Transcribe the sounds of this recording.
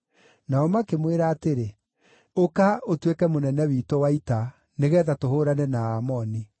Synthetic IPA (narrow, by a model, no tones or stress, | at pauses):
naɔmakemweɾaːteɾe | okaotwekɛmonɛnɛwiːtowaita | neɣɛːðatoɦoːɾanɛnaamɔni